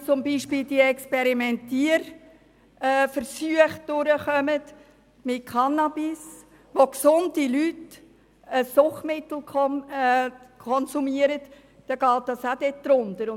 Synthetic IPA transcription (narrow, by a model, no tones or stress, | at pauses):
t͡sʊmbiːʃpiːldiɛkspɛɾimɛntiəɾː | fəɾsyəχd̥ʊɾəχœmət | mɪt̚kʰɑnːɑbɪs | ʋoksʊndilyt | əsʊχmɪt̪l̩k | kʰɔnsumiəɾət | d̥ɑɡ̥ɑːt̚d̥ɑsad̥ɛt̚d̥ɾʊndəɾ